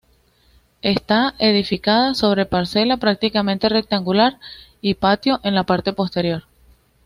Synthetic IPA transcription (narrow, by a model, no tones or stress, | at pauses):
e̞st̪ae̞ðifikaðaso̞β̞ɾe̞paɾse̞lapɾak̚t̪ikamẽ̞nt̪e̞re̞k̚t̪aŋɡulaɾipat̪jo̞ʔe̞nlapaɾt̪e̞po̞st̪eɾjo̞ɾ